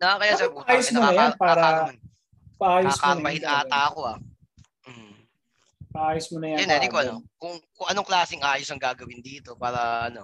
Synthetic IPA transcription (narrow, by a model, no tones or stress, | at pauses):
nɐkɐjaːsɛbuʔaːjosmoɐjanpaːɾɐan | pɐʔaːjoaskapɐhɪnʔaːt̪ɐʔɐko̞ɐ | ʔ̩ | pɐʔaːjosmonɐjajɐnɛd̪ikoʔɐnokʊŋkʊŋʔɐnoŋklaːsɪŋʔaːjosɐŋɡaːɡɐwɪnd̪iːt̪o̞paːɾɐʔɐno̞